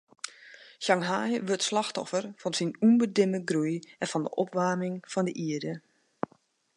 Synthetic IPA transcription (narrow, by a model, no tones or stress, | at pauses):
ʃaŋɦajʋøtslaxtɔfərfɔnsinunbədɪməɡrujɛnfɔndə̰ʔɔpʋaːmɪŋfɔndəʔiədə